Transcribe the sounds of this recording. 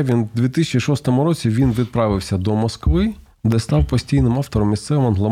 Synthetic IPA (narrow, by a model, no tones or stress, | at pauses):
ʋʲind̪ʋʲit̪ɪsʲɪt͡ʃiʃɔst̪ɔmʊɾɔt͡sʲiʋʲinʋʲid̪̚pɾɑʋɪwsʲɐd̪ɔmɔskʋɪ | d̪ɛst̪ɑwpɔsʲtʲijnɪmɑft̪ɔɾɔmːʲist̪sɛʋɨmɐnɦlˠɔ